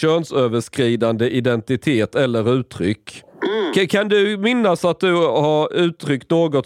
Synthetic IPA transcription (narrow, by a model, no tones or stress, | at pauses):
øːnsøːvəʂkɾiːd̪and̪əʔɪd̪ɛnt̪ɪt̪ʰeːt̪ɛlːəɾʉ̟ːt̪ʰɾʏ̰kːʰ | kʰand̪ɵmɪnːasat̪̚d̪ɵhaɾʉ̟ːt̪ʰɾʏkt̪noːɡɔt̪